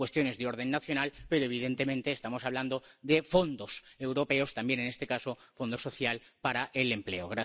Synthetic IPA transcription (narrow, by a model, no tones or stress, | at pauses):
we̞st̪jo̞ne̞zðeo̞ɾð̞e̞nːaθjo̞nalpe̞ɾoeβ̞iðe̞nt̪emẽnt̪e̞ːst̪amo̞saβ̞land̪od̪efo̞nd̪ose̞wɾo̞pe̞ost̪ambje̞nene̞st̪e̞kasofo̞nd̪o̞so̞θjal | paɾaʔele̞mple̞oɣɾa